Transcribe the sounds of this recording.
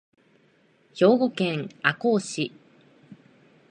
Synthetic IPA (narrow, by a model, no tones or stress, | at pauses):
ço̞ːɡo̞kẽ̞ŋako̞ːɕi